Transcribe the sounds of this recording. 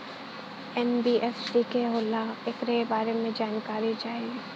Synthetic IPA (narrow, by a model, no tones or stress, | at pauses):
ɛnbiːʔɛfsikeɦoːlaɪkɾebaːɾemẽd͡ʒaːnkaːɾid͡ʒaːi